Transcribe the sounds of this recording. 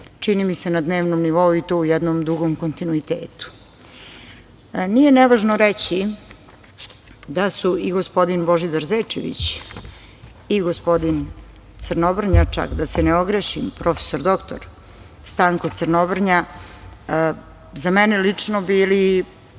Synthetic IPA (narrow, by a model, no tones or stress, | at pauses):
t͡ʃinimise̞nad̪neːʋnomniʋo̞uit̪oːujɛd̪nomd̪ɾuɡomko̞nt̪inuit̪eːt̪u̥ | nije̞neʋaʒnoɾet͡ɕi | d̪asuiɡospo̞d̪inbo̞ʒid̪aɾzet͡ʃḛʋḭt͡ɕ | iɡospo̞d̪in | t̪səɾnobr̩ɲat͡ʂa̰kd̪aseneoɡɾeʃimpɾo̞fe̥soɾd̪o̞kt̪o̰ɾ | st̪aːŋkot̪səɾnobr̩ɲa | zamɛnelit͡ʂnobiːli